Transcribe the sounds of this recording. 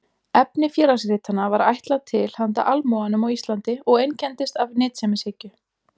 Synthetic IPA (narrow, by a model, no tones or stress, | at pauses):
ɛpnɪfjɛːɾasrɪːt̪anːavaɾa̰jht̪lat̪ʰɪl̥hant̪a̰ʔalmɔanʏmawist̪lant̪ɪɔɣejncɛnt̪ɪst̪avnɪːt̪sɛmɪseːcʏ